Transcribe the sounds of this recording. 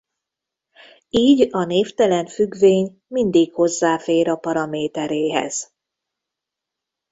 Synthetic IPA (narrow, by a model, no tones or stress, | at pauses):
iːɟɒneːft̪ɛlɛnfyɡveːɲ | mind̪ikho̞zːaːfeːɾɒpɒɾɒmeːt̪ɛɾeːɦɛ̰z̥